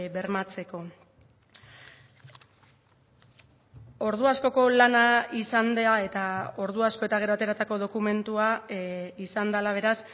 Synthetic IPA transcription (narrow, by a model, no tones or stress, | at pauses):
be̞ɾmat͡se̞ko̞ | o̞ɾð̞uasko̞ko̞lanaisand̪e̞ae̞t̪ao̞ɾðuasko̞e̞t̪aɣ̞e̞ɾoat̪e̞ɾat̪ako̞ð̞o̞kume̞nt̪ua | isand̪alaβ̞e̞ɾas